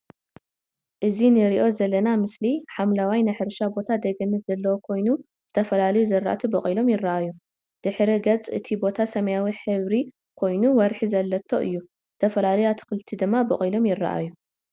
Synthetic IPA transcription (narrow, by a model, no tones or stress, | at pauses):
ʔɨzinɨɾiʔo̞zɐlːɐnamɨsliħamlawajnaħɨɾʃabo̞t̪ʰad̪ɐɡɐnɨz̥ɐlːɐwokʰo̞jnu | z̥ɨt̪ʰɐfɐlalɐjuzɐɾːa̰t̪ʰibɨχʼjlo̞mjɪrːɐʔajːu | d̪̥ɨħɾiɡɐt͡sʼɨ̰t̪ʰibo̞t̪ʰasɐmɐjawiħɨβɾi | kʰo̞jnuwɐɾħizɐlːɐt̪ʰːo̞ʔɨ̰jːu | z̥ɨt̪ʰɐfɐlalɐjat̪ʰɨ̥xɨlt̪ʰid̪ɨmːabɨ̰χʼjlo̞mjɪrːɐ̰ʔa̰jːu